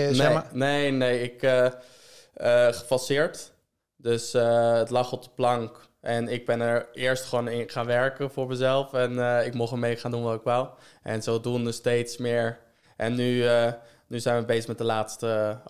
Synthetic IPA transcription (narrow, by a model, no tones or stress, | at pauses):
nnejnejɪkə | əχə̥fɑsɪːɹt | døsətlɑχɔp̚dəplɑŋk | ʔɛnɪɡ̚bɛnɛɹɪːɹstχəʋownɪnχaːnʋɛɹkənfʊːɹməzɛlˠfɛnɪkmɔχəmejχaːndunʋɑtɪkʋawʔɛ̰nzodunəstejtsmɪːɹ | ʔɛnːyə | nyzɛjnʋəbejzə̥χmɛt̚dəlaːtstə